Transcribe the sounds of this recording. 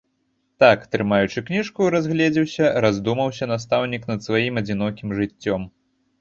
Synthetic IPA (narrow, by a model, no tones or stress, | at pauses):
t̪akt̪ɾɨmajut͡ʂɨknʲiʂkuɾazɣlʲɛd͡zʲiwsʲɐɾazd̪umɐwsʲɐnast̪awnʲikn̪ɐt̪svajimɐd͡zʲin̪ɔkʲimʐɨt͡sʲːɔm